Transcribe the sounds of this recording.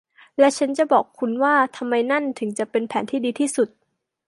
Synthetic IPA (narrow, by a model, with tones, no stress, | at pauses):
lɛ˦˥t͡ɕʰa˦˥nt͡ɕa˨˩bɔː˨˩kʰːu˧nwaː˥˩t̪ʰa˧mːa˧jna˥˩nt̪ʰɯ˩˦ŋt͡ɕa˨˩pe˧npʰɛː˩˦nt̪ʰiː˥˩diː˧t̪ʰiː˥˩su˨˩t̪̚